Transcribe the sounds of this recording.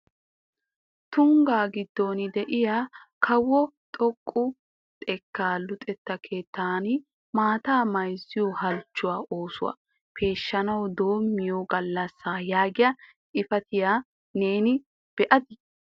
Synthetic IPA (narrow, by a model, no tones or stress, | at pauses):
t̪ʊŋɡaːɡɪd̪ːo̞ːnɪd̪ɛʔɪjaːkʰɐwːɔt̪ʼɔkʼːʊ | t̪ʼɛkːaːlʊt̪ʼɛt̪ːɐkʰe̞ːt̪ːaːn | maːt̪aːmɐjzːɪjɔhɐlt͡ʃːʊwaːʔoːsʊ̰wa̰ | pʰe̞ːʃːɐnɐwd̪o̞ːmːɪjoːɡɐlːɐsːaːjaːɡɪjɐ | ʔɪfɐt̪ɪjaː | ne̞ːnɪ | b̥ɛʔɐd̪ɪ